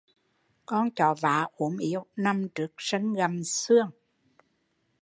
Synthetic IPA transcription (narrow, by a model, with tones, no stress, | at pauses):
kɔ˧nt͡ɕɔ˨˩va̰ː˨˦ʔu˧˦əmʔi˧˦əwna˧mt͡ɕɨ˨˩ək̚sə˧˦ŋɣa˨˩msɨ˧əŋ